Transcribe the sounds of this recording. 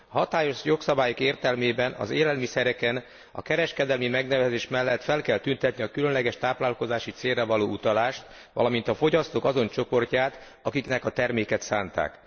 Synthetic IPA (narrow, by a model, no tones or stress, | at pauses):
ɒɦɒt̪aːjo̞ʃjo̞ksɒbaːjokeːrt̪ɛlmeːbɛnɒ̰zeːlɛlmisɛɾɛkɛn | ɒ̰kɛɾɛʃkɛd̪ɛlmimɛɡnɛvɛzeːʃmɛlːɛt̪fɛlkɛlt̪ynt̪ɛt̪niɒkylø̞nlɛɡɛʃt̪aːplaːlko̞zaːʃit̪seːrːɛvɒloːut̪ɒlaːʃt̪ | ʋɒ̰lɒmint̪ɒfo̞ɟɒst̪oːkɒzo̞nt͡ʃo̞po̞rcaːt̪ | ɒkiknɛkɒt̪ɛrmeːkɛt̪saːnt̪a̰ːk